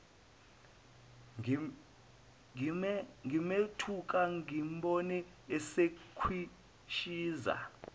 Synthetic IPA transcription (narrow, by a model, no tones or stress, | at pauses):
ŋimetʰuk̬ʼaŋimɓɔnɛ | ɛsekʰwi | ʃiːza̰